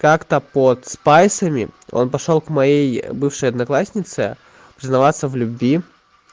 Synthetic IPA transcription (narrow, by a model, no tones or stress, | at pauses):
kakt̪əpot̪spajsəmʲɪ̰o̞̰npɐʂo̞lˠkmɐjejbɨfʂəjɐd̪nɐklˠasʲnʲɪt̪sɨ | pɾʲɪznɐvat̪səvlʲʊbvʲi